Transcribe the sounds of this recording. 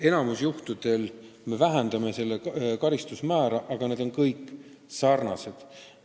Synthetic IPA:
e̞nɑmusjuht̪ud̪̥e̞l | me̞væɦend̪̥ɑme̞se̞lːekɑɾist̪usmæːɾɑʔɑɡ̥ɑne̞d̪o̞nkɤjkːˑ | sɑrnɑse̞d̪̥

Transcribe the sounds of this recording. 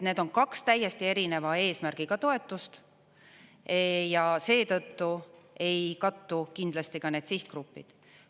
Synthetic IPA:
ne̞ːd̪̥o̞nkɑkst̪æjːe̞st̪ie̞ɾine̞vɑe̞ːsmærɡ̥iɡɑt̪o̞et̪ːˑust̪ | jɑse̞ːt̪ɤ̞t̪ːue̞jkɑt̪ːukind̪lɑst̪ikɑne̞ːd̪̥siht̪krupːḭd̪̥

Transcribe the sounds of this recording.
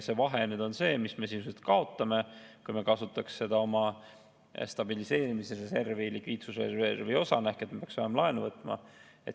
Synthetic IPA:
se̞vɑɦenyːd̪̥o̞nse̞ːmisme̞sinsuet̪kɑo̞t̪ˑːɑme̞kujme̞kɑsut̪ːˑɑksːe̞d̪̥ɑo̞mɑ | st̪ɑbilise̞ːɾimiserese̞rvejlikviːt̪susḛervejo̞sɑnæhkːˑet̪mepeɑksvɑjɑmɑlɑenuvɤt̪ːˑmɑ̰ | e̞t̪

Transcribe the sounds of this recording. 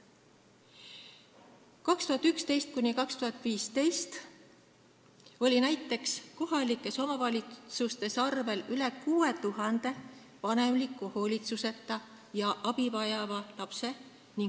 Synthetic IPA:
kɑkst̪uɦɑt̪ːˑykst̪e̞jst̪̚kunikɑkst̪uɦɑt̪ːˑviːst̪e̞jst̪ | o̞lʲinæjt̪ːˑe̞ksko̞ɦɑlikːˑe̞so̞mɑvɑlʲit̪sust̪e̞sɑrve̞lyle̞kuːe̞t̪uɦɑnd̪̥e̞ | vɑne̞mlikːˑuho̞ːlʲit̪suse̞t̪ːˑɑ | jɑʔɑb̥ivɑjɑvɑlɑpse̞ | ni

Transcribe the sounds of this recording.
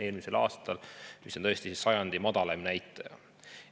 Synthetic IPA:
e̞ːlmise̞lɑ̰ːst̪ɑlmisont̪ɤ̞est̪isisːɑjɑnd̪̥imɑd̪̥ɑlɑmnæjt̪ːˑɑjɑ̰

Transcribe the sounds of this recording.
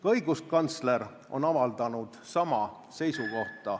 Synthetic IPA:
kɑɤjɡuskɑnt̪sle̞ɾ | ʔo̞nɑvɑld̪ɑnud̪̥sɑmɑ | se̞jsuko̞ht̪ˑɑ

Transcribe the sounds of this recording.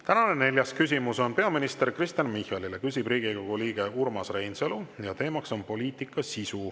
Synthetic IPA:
t̪ænɑnene̞lʲjɑskysʲimuso̞npe̞ɑminist̪e̞rkrist̪jɑnmihɑlilekysʲibriːɡiko̞ɡ̥uliːɡ̥e̞urmɑsre̞jnselujɑt̪e̞ːmɑkso̞npo̞liːt̪ikːˑɑsisu

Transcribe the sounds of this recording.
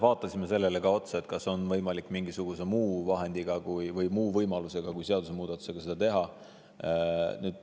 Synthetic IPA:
vɑːt̪ˑːɑsime̞se̞lːele̞ɡɑo̞t̪seet̪kɑso̞nvɤjmɑlikːˑmiŋɡisuɡ̥use̞muːvɑɦe̞nd̪̥iɡ̥ɑkujvɤjmuːvɤjmɑluse̞ɡ̥ɑkujse̞ɑd̪use̞muːd̪̥ɑt̪ːu̥se̞ɡ̥ɑsed̪ɑt̪e̞ɦɑ | nyːd̪̥̚

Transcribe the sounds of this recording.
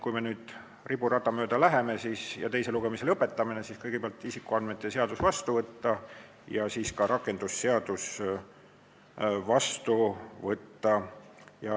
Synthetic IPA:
kujme̞nyːd̪̥ | ribuɾɑt̪ːˑɑmø̞ːd̪ɑlæɦe̞me̞siːsjɑ̰t̪e̞jse̞luɡe̞mise̞lɤpːˑe̞t̪ːˑɑminesiːskɤjɡepeɑlt̪ːˑisikːˑuɑnd̪met̪ːˑeseɑd̪̥usvɑst̪uvɤt̪ːɑ | jɑsiːskɑɾʔɑkːˑe̞nd̪̥usːeɑd̪̥us | vɑst̪uvɤt̪ːɑjɑ

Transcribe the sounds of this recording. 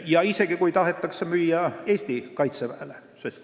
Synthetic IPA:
jɑise̞kikujt̪ɑɦet̪ːɑksemyjːɑe̞ːst̪ikɑjt̪sepæːle | sest̪

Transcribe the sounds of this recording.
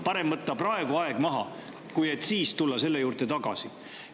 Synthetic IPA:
pɑɾe̞mmɤt̪ːɑprɑe̞ɡuɑe̞ɡ̥mɑɦɑ̰ | kuje̞t̪ːsiːst̪ulːɑse̞lːe̞juːɾt̪e̞t̪ɑɡ̥ɑ̰si

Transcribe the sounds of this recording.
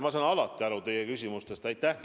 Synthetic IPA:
mɑsɑːnɑlɑt̪ːˑiɑɾut̪e̞jekysʲimust̪e̞st̪ɑjt̪ːˑæh

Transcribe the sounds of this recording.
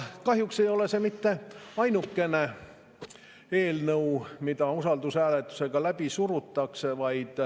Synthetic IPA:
kɑɦjukse̞jo̞le̞se̞mit̪ːe̞ɑjnukːe̞ne̞ | e̞ːlnɤwmid̪ɑusɑld̪usæːlet̪ːˑu̥se̞ɡ̥ɑlæb̥isuɾut̪ːɑksevɑjd̪̥

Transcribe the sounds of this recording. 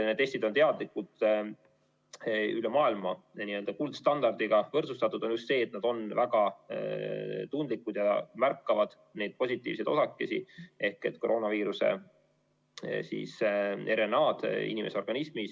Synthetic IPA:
net̪ːest̪id̪o̞nt̪eɑd̪likːud̪̥ | ylemɑːilmɑniø̞ld̪ɑkuld̪st̪ɑnd̪ɑrd̪̥iɡ̥ɑvɤrt̪sust̪ɑt̪ːˑud̪̥o̞njust̪se̞ːet̪nɑd̪o̞nvæɡɑ | t̪und̪likːˑud̪̥jɑmærkːɑvɑd̪̥ | ne̞jd̪̚po̞sʲit̪ːˑiːvsejd̪osɑkːˑe̞sḭʔe̞hke̞t̪ko̞ɾo̞ːnɑviːɾuse̞̰ | sḭːse̞ɾe̞nɑːd̪̥ḭnʲimʔe̞seo̞rɡ̥ɑnismis

